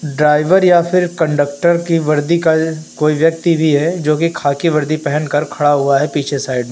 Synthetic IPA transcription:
ɖɾaːɪʋəɾjapʰɪɾkɐ̃ɳɖək̚ʈəɾkiʋɐɾd̪ikakoːiʋjɐk̚t̪ibʱiɦɛd͡ʒoːkikʰaːkiʋɐɾd̪ipɛɦɛ̃nkɐɾkʰɐɽaɦuaɦɛpiːt͡ʃʰesaːɪɖ̚mẽ

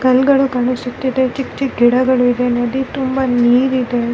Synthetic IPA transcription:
kɐlɡɐɭukɐɳusut̪ːid̪e̞t͡ʃikt͡ʃiɡiɽɐɡɐɭuid̪enɐd̪it̪umbɐniːɾid̪e̞

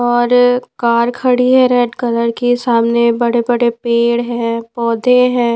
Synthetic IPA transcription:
ɔːɾkaːɾkʰəɽiɦɛ̃ɾɛːʈkɐləɾkesaːmnebɐɽebɐɽepeːɽɦɛ̃pɔːd̪ʱeɦɛ̃ː

